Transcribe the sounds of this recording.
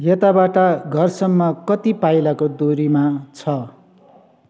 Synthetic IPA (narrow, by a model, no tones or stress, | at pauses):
jʌt̪abaʈʌɡʱʌrsʌmːʌkʌt̪ipajlakod̪oɾimat͡sʰʌ